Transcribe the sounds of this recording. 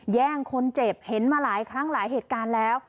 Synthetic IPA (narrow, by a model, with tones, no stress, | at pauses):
jɛː˥˩ŋkʰo˧nt͡ɕe˨˩p̚he˩˦nmaː˧laː˩˦jkʰɾa˦˥ŋlaː˩˦jɦeː˨˩t̪̚kaː˧nlɛː˦˥w